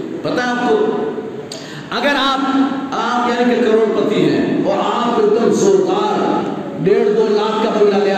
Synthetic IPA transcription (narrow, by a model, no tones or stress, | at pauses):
pɐt̪aɦẽaːp̚ko | ɐɡəɾaːpaːpjaːnikekɐɾoːɽpɐt̪iɦɛ̃ːɔːɾaːmbɪʊk̪əmsoːɾd̪aːɾɖeːɽd̪oːlaːt̪ʰkabɐmiɾalea